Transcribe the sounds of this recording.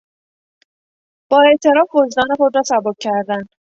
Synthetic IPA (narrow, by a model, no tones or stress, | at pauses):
b̥ɒːe̞ʔt̪ʰe̞ɾɒːfozd̪ɒːnexod̪ɾɒːsæbob̚cʰæɾd̪æn